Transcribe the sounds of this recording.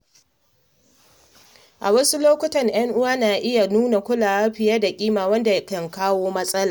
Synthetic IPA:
ʔa̰˨wɐ˦su˦loː˦kʷʊ˦tɐ˨ŋj̰ɐ˦ŋʔʊ˦waː˦naː˨ʔɪ˦ja˨nuː˦na˨kʷʊ˦laː˨wa˦ɸɪ˨jɐ˦da˨kʲʼiː˦maː˨wɐ˦nda˨˦kɐ˨ŋkaː˦woː˦mɐ˦sʼɐ˦laː˨

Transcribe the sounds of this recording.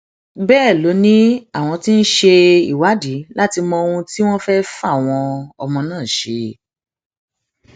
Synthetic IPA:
bɛː˦˨lo˨˦nĩ˦a˦˨w̃ɔ̃˧ti˦n̩˦ʃe˧ḭ˦˨wa˨˦di˨˦la˦ti˧mɔ̃˧o˧hũ˧ti˦w̃ɔ̃˦fɛ˦fa˦˨w̃ɔ̃˧ɔ˧mɔ̃˧nãː˦˨ʃe˧

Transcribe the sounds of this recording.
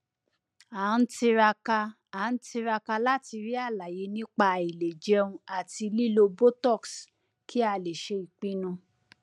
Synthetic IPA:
a˨˦n̩˦ti˧ɾa˧ka˧ | a˨˦n̩˦ti˧ɾa˧ka˧la˦ti˧ɾi˦a˦˨la˨je˧˦nĩ˦k͡pa˧˨i˨le˨d͡ʒɛ˨˦ũ˧a˨ti˧li˦lo˧bo˦tɔ˦˨ks | kʰi˦a˧le˨ʃe˧i˨k͡pĩ˦nũ˧

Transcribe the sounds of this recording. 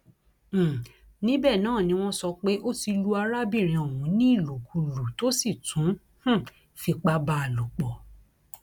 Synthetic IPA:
nĩ˦bɛ˦˨nãː˦˨nĩ˧˦w̃ɔ̃˦sɔ˧k͡pe˦ʔo˦ti˧lu˦a˧ɾa˦bi˦˨ɾ̃ĩ˨o˨wũ˨˦nĩ˦i˦˨lo˨ku˧lu˨to˦si˦˨tʰũ˨˦ | h̩˦ | fi˧k͡pa˧ba˧˦a˨lu˨k͡pɔ˨

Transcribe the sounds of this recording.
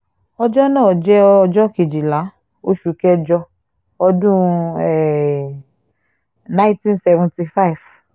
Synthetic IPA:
ɔ˧d͡ʒɔ˦nãː˦˨d͡ʒɛ˦ɔ˦ɔ˧d͡ʒɔ˦ke˨d͡ʒi˨la˨˦ | o˦ʃu˨kɛ˦d͡ʒɔ˧ | ɔ˧dũ˦ɛ˨ | nã˦ĩ˦tĩ˦nsɛ˧vɔ̃˨nti˧fa˦i˨v

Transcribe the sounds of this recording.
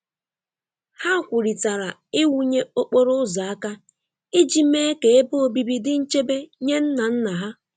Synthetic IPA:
ha˦˨kʷʊ˨ɾi˨ta˨ɾa˨ | ɪ˦wu˦ɲe˦o˦k͡po˦ɾʊ˦ʊ˦za˨a˦ka˦ | ɪ˦d͡ʒi˨me˦e˦ke˨e˦bʊ˦o˨bi˨bi˦dɪ˦n̩˦t͡ʃe˦be˦ɲe˦n̩˦na˨n̩˦na˨ɦa˦

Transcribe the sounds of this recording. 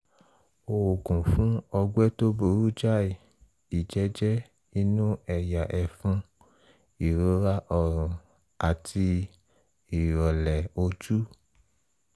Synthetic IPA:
o˧˨wo˨kũ˨fũ˦ɔ˧ɡ͡bɛ˦to˦bo˧˨ɾu˦d͡ʒa˦i˨ | i˨d͡ʒɛ˨˦d͡ʒɛ˦ | i˦nũ˦ɛ˨ja˨ʔɛ˨fũ˧˦ | i˨ɾo˦ɾa˦ʔɔ˦˨ɾ̃ũ˨ | a˨tʰi˧ | i˨ɾɔ˨lɛ˨o˧d͡ʒu˦

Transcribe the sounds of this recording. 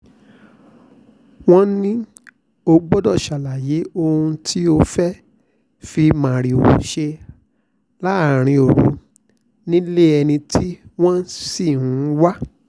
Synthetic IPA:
w̃ɔ̃˦nĩ˦ | o˧ɡ͡bɔ˦dɔ˦˨ʃa˨la˨je˨˦o˧hũ˧tʰi˦o˧fɛ˦ | fi˧mã˨ɾi˨o̰˨ʃe˧ | la˦˨ɾ̃ĩ˧o˨ɾu˨˦ | nĩ˦le˦˨ɛ˧nĩ˧tʰi˦w̃ɔ̃˦si˦˨hũ˨˦wa˦

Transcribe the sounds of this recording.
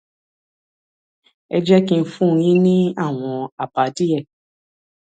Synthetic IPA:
ɛ˧d͡ʒɛ˦kĩ˦˧˦fũ˦˧jĩ˦nĩ˦a˦˨w̃ɔ̃˧a˨ba˨˦di˦jɛ˦˨

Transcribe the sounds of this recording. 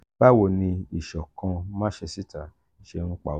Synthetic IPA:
ba˦˨wo˦˧˨nĩ˧i˦˨ʃɔ˨kã˧m̃ã˦ʃɛ˧si˦ta˨ | ʃe˧ŋ̩̃˦k͡pa̰˨

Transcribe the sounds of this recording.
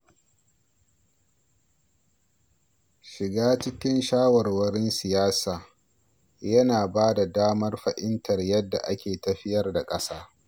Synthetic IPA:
ʃɪ˨ɡaː˦t͡ʃɪ˦kʲɪ˦nʃaː˦wɐ˨rwɐ˦ɾɪ˦nsɪ˨jaː˦saː˨ | jɐ˦naː˨baː˦da˨daː˦mɐ˦rɸɐ˨ʔɪ˦ntɐ˨rjɐ˦dːa̰˨ʔa˦kʲeː˨tɐ˨ɸɪ˦jɐ˦rda˨kʼɐ˦saː˦

